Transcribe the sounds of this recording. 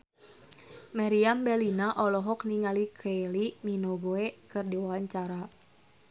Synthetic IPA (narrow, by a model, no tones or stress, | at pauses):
maɾiambɛlinaʔɔlɔɦɔkniŋalikʰeliminoɡoekɨrdiwawaɲt͡ʃaɾa